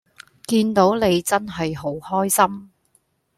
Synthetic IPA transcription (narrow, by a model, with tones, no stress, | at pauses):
kiː˧nt̪o˨˥wne˨˧jt͡sɐ˥nɦɐ˨jɦo˨˥whɔː˥jsɐ˥m